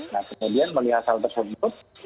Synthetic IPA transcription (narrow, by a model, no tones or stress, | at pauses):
nahkəmudianməliɦat̪alt̪ərsunt̪ʊt̪̚